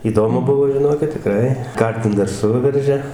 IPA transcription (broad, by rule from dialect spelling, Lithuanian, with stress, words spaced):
iːˈdoːmʊ ˈbʊʋoː ʒʲɪˈnoːkʲɪt tʲɪˈkrɐɪ ˈkɐrʲtʲɪm dɐr ˈsʊʋʲɛrʲʒʲɛ